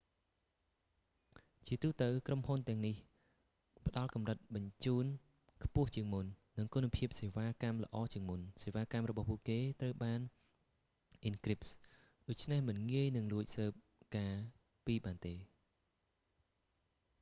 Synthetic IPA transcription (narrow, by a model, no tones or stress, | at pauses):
t͡ɕiət̪uːt̪əwkromhunt̪ɛ̆əŋnih | pə̆ɗɑlkɑmrət̪̚ɓɑɲt͡ɕuːn | kʰpʊ̆əht͡ɕiəŋmunːɨŋkunpʰiəp̚seːʋaːkamlə̰̆ʔɑːt͡ɕiəŋmunseːʋaːkamrɔɓɑhpuəʔkeːt̪rəwɓaːn | ʔinkrip̚s | ɗoːc̚t͡ɕʰnehmɨnŋiəjnɨŋluəc̚səːp̚ | kaː | piːɓaːnt̪eː